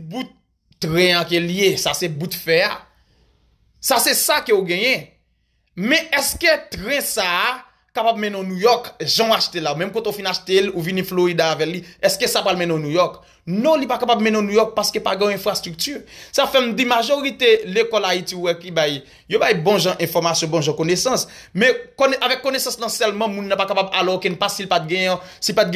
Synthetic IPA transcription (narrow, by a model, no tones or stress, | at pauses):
but̪ː | ʁɛ̃akeljesasɛbut̪fɛa | sasɛsakeoɡɛ̃jɛ̃ | mɛ̃ʔɛskøt̪ʁɛ̃sa | kapabmɛ̃nɔ̃nũjɔkʒãuaʃt̪elaumɛ̃mkõt̪eofĩnaʃt̪eluvinĩfloʁid̪aːvɛkliɛskesapɣalmɛ̃nɔ̃nũjɔk | nɔ̃lipakapabmɛ̃nɔ̃nujɔk̚paskøpaɡɛ̃j̃ɛ̃fʁast̪ʁyk̚tysafɛm̩dimaʒoʁit̪elekɔlaitiuwɛkibaj | jobajbɔ̃ʒãʔɛ̃fɔʁmasjɔ̃bɔ̃ʒɑ̃konesɐ̃smɛ̃konʔavɛkːonesɐ̃snɐ̃sɛlmɐ̃mũnːãpakapabalɔkɛ̃npasilpat̪̚ɡɛ̃jɛ̃ | silpat̪̚ɡɛ̃